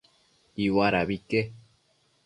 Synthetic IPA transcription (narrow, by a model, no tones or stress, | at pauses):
iwaɾaβike